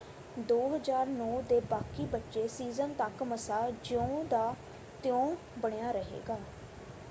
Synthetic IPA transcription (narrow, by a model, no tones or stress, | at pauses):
d̪oːɦəzaːɾnɔːd̪eːbaːkiːbətːʃeːsiːzənt̪əkməsaːd͡ʒõd̪aː | t̪ɪjõː | bəɽ̃ejaːɾəɦḛːɡaː